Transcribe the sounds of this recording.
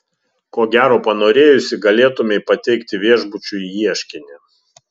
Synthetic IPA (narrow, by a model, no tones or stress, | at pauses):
koːɡʲæːɾoːpɐnoːɾʲeːjʊsʲɪɡɐlʲeːt̪ʊmʲɛɪpɐt̪ʲɛɪkt̪ʲɪʋʲiɛʒbʊt͡ʃʲʊiiɛʃʲkʲɪnʲɪ